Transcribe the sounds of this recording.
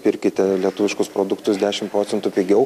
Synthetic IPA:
pʲɪɾʲkʲɪt̪ʲɛlʲiɛt̪ʊʋʲɪʃkʊspɾoːd̪ʊkt̪ʊsd̪ʲæːʃʲɪmtpɾoːt̪sʲɛnt̪ʊːpʲiɡʲɛʊ

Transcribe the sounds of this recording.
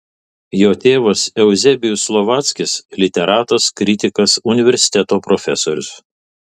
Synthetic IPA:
joːt̪ʲeːʋɐsɛʊzʲɛbʲɪjʊslˠɔʋɑːt̪sʲkʲɪslʲɪt̪ʲɛɾɑːt̪ɐskɾʲɪt̪ʲɪkɐsʊnʲɪʋʲɛɾʲsʲɪ̥t̪ʲɛt̪oːpɾofʲɛsoːɾʲʊs

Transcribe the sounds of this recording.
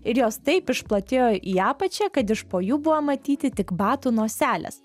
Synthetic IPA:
ɪɾjoːst̪ɐɪpɪʃplˠɐt̪ʲeːjoːʔiːɑːpɐt͡ʃʲɛkɐt̪ɪʃpoːjuːbʊʋɐmɐt̪ʲiːt̪ʲɪt̪ʲɪkbɑːt̪uːnoːsʲæːlʲɛ̰s

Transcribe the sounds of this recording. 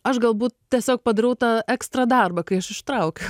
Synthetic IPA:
ɐʃɡɐlˠbuːtt̪̚tʲiɛsʲoːk̚pɐd̪ɐɾɐʊt̪ɑːɛkst̪ɾɐd̪ɐrbɐkɐɪɐʃɪʃt̪ɾɐʊkʲɛ

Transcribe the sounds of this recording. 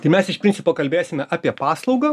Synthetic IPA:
t̪ɐɪmʲɛsɪʃpʲɪnʲt͡s̪ʲɪpoːkɐlʲbʲeːsʲɪmʲɛʔɑːpʲiɛpɑːslˠɒʊɡɐː

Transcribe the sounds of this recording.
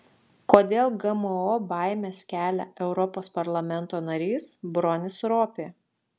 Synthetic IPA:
koːd̪ʲeːlˠɡɐməobɑˑɪmʲeːskʲæːlʲɛ̰ʔɛʊɾɔpoːspɐɾlˠɐmʲɛnˑt̪oːnɐɾʲiːsbɾɔnʲɪsɾoːpʲe

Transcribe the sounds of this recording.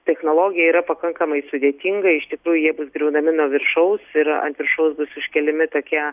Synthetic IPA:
t̪ʲɛxnoːlˠoːɡʲɪjɛiːɾɐpɐkɐŋkɐmɐɪsʊd̪ʲeːt̪ʲiŋɡɐɪʃt̪ʲɪkɾuːjʊjiɛbʊsɡɾʲɛʊnɐmʲɪnuɔʋʲɪrʃɐʊsɪɾɐ̰nt̪ʋʲɪɾʃɐʊsbʊsʊʃʲkʲɛlʲɪmʲɪt̪oːkʲiɛ

